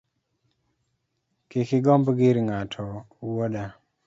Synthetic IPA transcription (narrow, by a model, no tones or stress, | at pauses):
kekɪɡɔmbɡɪɾŋatʰɔ | woda